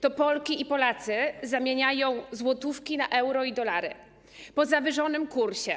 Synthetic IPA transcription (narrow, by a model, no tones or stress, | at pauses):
t̪ɔpɔlkʲiipɔlat̪sɘzamʲjeɲajɔ̃w̃zwɔt̪ufkʲinaʔɛwɾɔid̪ɔlaɾɘ̰ | pɔzavɘʐɔnɘmkuɾɕɛ